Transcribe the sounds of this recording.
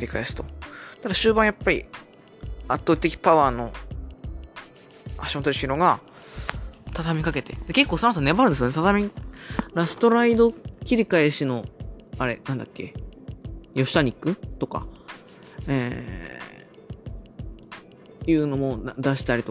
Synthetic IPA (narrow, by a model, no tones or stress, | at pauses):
ɾʲikaesɨ̥t̪o̞t̪ad̪aɕɨːbãɰ̃japːaɾʲḭ | at̪ːoːi̥t̪e̞kʲi̥paβaːno̞ | aɕimot̪oɾiɕiɾo̞ŋɡa | t̪at̪amʲikake̞t̪e̞̰d̪eke̞kːoːsonat̪onebaɾɯ̟nd̪esɨjonet̪at̪amʲi | ɾasɨ̥t̪o̞ɾaid̪o̞kʲiɾʲikaeɕino̞aɾe̞nãnd̪akʲːe̞̰ | jo̞ɕi̥t̪aɲ̟ikːɯ̟t̪o̞ka̰ | eː | jɯ̟ːno̞mo̞d̪aɕi̥t̪aɾʲit̪o